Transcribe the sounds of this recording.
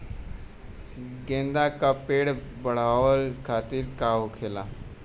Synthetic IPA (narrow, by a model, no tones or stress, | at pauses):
ɡẽːnd̪aːkapeːɽ | bəɽ̤aːʋəlkʰaːt̪iɾkaːokʰeːlaː